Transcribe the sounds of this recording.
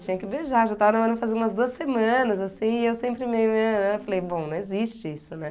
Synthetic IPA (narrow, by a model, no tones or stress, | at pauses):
t͡ʃĩɲɐkɪbeʒaɾʒat̪avɐnaɔɾɐ̃fazẽũmɐzd̪uɐsemɐ̃nɐzasĩɪewsẽmpɾɪmejmenɛ̃falejbõnɐ̃w̃ezist͡ʃɪisʊnɛ